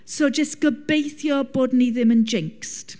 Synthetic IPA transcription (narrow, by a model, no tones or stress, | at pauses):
sod͡ʒəstɡ̥əbejθjɔb̥oːdniðɪmənd͡ʒɪŋkst